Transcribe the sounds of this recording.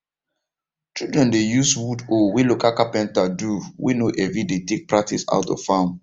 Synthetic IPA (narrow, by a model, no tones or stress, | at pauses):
t͡ʃildɹɛ̃ndejuswudowilokakapɛ̃ntaduwḭnoʔɛvidetek̚pɹak̚tʰisa̰ʊtɔ̰v̥fãʊ̃n